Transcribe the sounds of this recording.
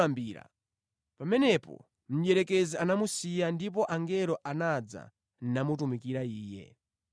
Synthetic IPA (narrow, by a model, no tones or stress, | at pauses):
ambiːɾa̰ | pamɛnɛpɔ̰ | m̩ʄɛɾɛkɛzianamusijandip̬ɔʔaŋɡɛlɔʔanad͡za̰ | n̩namut̬umikiɾaiːjɛ̰